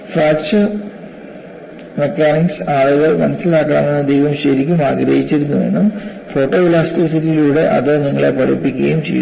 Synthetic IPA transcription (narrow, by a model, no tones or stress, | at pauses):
faːk̚t͡ɕɨr | mekːaːniksaːloɣɐmɐnɐsːilaːkːɐɳɐ̰me̞nːɐd̪ejʋɐmɕɐɾikʲːumaːɡɾɐɦit͡ɕːiɾunːuʋe̞̰nːum | fo̞ːʈːo̞ːlaːstisitːiluːɽe̞ʔɐ̰ðoniŋːɐɭepɐɽḭpːikʲːɣɐjumt͡ɕḛjṵ